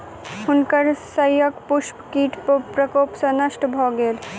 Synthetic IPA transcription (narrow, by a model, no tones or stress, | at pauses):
ʊnkəɾsəjəkpʊʃpkiːʈppɾɐkoːpsɐ̃nəʃʈbʱɔːɡeːl